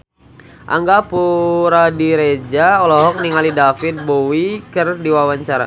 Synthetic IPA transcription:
ʔa̰ŋɡapuɾadiɾed͡ʒaɔlɔɦɔk̚niŋalidafit̪̚bowikərdiwawaɲt͡ʃaɾa̰

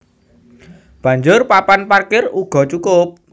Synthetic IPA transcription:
b̥ä̤ɲd͡ʒʊrpapanparkɪruɡ̥ɔ̤t͡ʃukʊp̚

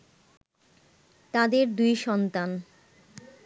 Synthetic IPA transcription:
t̪ad̪eɾd̪ujʃɔnt̪an

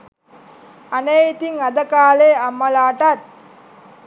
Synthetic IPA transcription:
anejit̪iŋad̪əkaːleːamːəlaːʈat̪̚

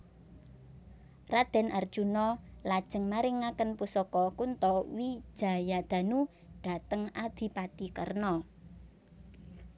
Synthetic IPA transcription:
rad̪̥ɛ̤nʔard̥ʒ̥unɔlad̥ʒ̥ə̤ŋmaɾɪŋːakənpusɔkɔkunt̪ɔwi̥ʒ̥a̤jad̪̥a̤nu | ɖ̥a̤t̪əŋad̪̥i̤pat̪ikə̰rnɔ

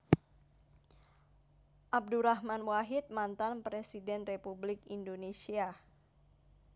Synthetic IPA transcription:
ʔab̚duɾaɦmanwaɦɪt̪̚mant̪anpɾesidɛnrepublɪkindonesia

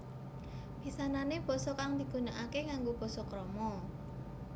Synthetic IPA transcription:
b̥i̤sananeb̥ɔ̤sɔkaŋd̪i̤ɡ̥unaʔakeŋaŋɡob̥ɔ̤sɔkɾɔmɔ

